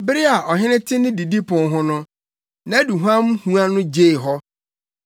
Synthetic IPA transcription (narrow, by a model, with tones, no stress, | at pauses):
bɪ˦ɾɪ˦a˨ʔɔ˨ɦɪ̃˦nɪ̃˦tʰɪ˦nɪ̃˦di˨di˦pʰʊ̃˨nɦʊ̃˦nʊ̃˦ | nã˨˦du˨ɦã˦m˦hũ˦a˦nʊ̃˦d͡ʑeː˦˨ɦɔ˦